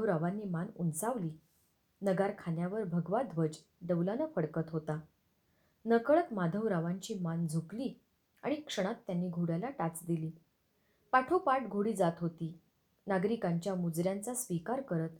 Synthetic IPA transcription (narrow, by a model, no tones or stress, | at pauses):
ʋɾaʋanːiːmanunt͡saʋliː | nəɡaɾkʰanjaʋəɾbʱəɡʋad̪ʱʋəd͡ʑ | ɖəʋlanəfəɽkət̪ɦot̪a | nəkəɭət̪mad̪ʱəʋɾaʋaɲt͡ɕiːmand͡zʱukliː | a̰ɽ̃ikʂəɽ̃at̪ːjanːiːɡʱuɽjalaʈat͡sd̪iliː | paʈʰupaʈɡʱoɽiːd͡zat̪ɦot̪iː | naɡɾikaɲt͡ɕjamud͡zɾjant͡sasʋikaɾkəɾət̪